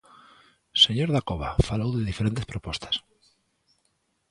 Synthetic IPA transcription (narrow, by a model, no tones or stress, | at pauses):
seɲoɾðakoβa̰falowðeðifeɾẽnt̪espɾopost̪ḁs